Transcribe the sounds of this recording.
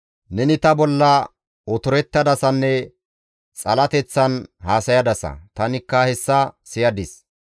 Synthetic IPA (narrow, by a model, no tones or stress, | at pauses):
nɛnɪt̪ɐbɔlːɐ | ɔt̪ʊɾɛt̪ːɐd̪ɐsɐnːɛ | t͡sʼɐlɐt̪ɛt͡sːɐnhaːsɐjɐd̪ɐsɐ̰t̪ɐnɪkːɐhɛsːɐsɪjɐd̪ɪs